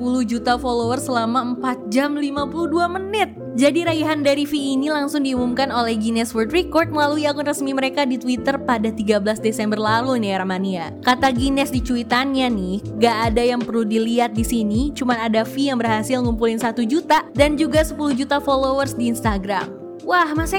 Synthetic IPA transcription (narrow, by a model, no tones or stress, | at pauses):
əpuluhd͡ʒut̪afolowərsəlamaəmpat̪̚d͡ʒamlimapuluhduamənɪt̪̚d͡ʒadiɾajaɦandaɾifiːnilaŋsʊŋdiumumkanolɛhɡinɛsfurt̪rikɔrt̪̚məlaluiaŋʊnrəsmiməɾekadit̪wit̪ərpadat̪iɡabəlasdesɛmbərlaluniarmania | kat̪aɡinɛsdit͡ʃuit̪anɲanɪhŋɡaʔːdajaŋpərludiliat̪̚disinit͡ʃumanadafijaŋbərɦasɪlŋumpulɪnsat̪ud͡ʒut̪adand͡ʒuɡasəpuluhd͡ʒut̪afolowərsdiːnst̪aɡɾa̰m | wahmasa